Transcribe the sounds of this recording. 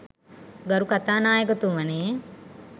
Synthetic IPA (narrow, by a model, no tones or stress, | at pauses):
ɡɐɾukat̪aːnaːjəkot̪uʋɐne